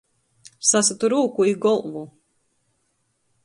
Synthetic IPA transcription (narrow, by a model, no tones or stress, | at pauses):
sasat̪uɾuːkuiɡɔlˠvu